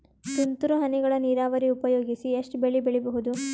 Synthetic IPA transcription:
sunt̪uɾuɦɐniɡɐɭɐniːɾaːʋɐɾiupɐjoːɡisieʂʈubeɭibeɭɛbɐɦud̪u

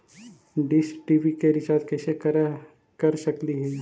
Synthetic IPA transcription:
ɖɪsʈiːʋikeɾɪʃaːd̪kɛːseɾ | kɐɾsɐkliɦɛː

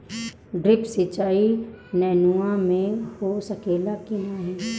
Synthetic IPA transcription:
ɖɾɪpsɪt͡ʃaːinɛːnuamẽhosəkeːlakɪnaɦɛ

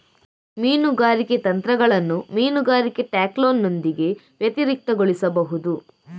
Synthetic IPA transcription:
miːnuɡaːɾiket̪ɐnt̪ɾɐɡɐɭɐnːumiːnuɡaːɾikeʈaːkloːnːo̞nd̪iɡe̞ | ʋjɐt̪iɾik̚t̪ɐɡoɭisɐbɐɦud̪u

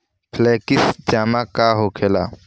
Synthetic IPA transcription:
pʰleːkisd͡ʒaːmakaːɦoːkʰela̰

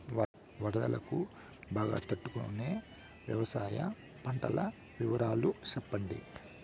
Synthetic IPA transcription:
ʋɐɽɐd̪ɐlɐ̰ku | baːɡa̰ːt̪ɐʈːukoneː | ʋjɐʋɐsaːjɐ̰ | pɐɳʈɐlɐ | ʋiʋɐɾaːlut͡ʃɛpːɐɳɖi

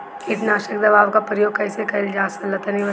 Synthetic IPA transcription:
ɪʈ̪naːʃək̚d̪ɐbaːʋkapɾəjoːɡ̚kɐɪsekɐld͡ʒaːsɐlɐt̪əniʋə

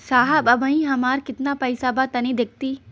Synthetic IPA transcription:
saːɦɐbɐbʱə̃ĩɦɐmaːɾkɪt̪napɐɪsabat̪ɐnĩd̪ek̚ʰt̪iː

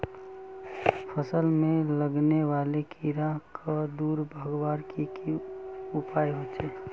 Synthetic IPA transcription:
pʰəsəlmẽləɡneʋaːlekʰiɾakʰad̪uːɾbʱəɡwaːɾkikiʊpaːjɦot͡ʃʰeː

